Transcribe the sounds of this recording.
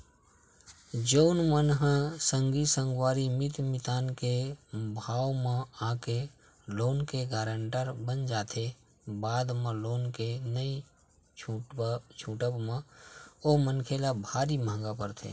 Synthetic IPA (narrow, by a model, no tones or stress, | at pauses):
d͡ʒəʊnmənɦãsə̃ŋɡisə̃ŋɡwaːɾimɪt̪mɪt̪aːnkebʱaːwmãaːke | loːnkeɡaːɾəɳʈəɾbənd͡ʒaːt̪ʰe | baːd̪mə̃loːnkenəi | t͡ʃʰuːʈəbmãoːmənkʰelabʱaːɾimãːŋɡapəɾt̪ʰḛː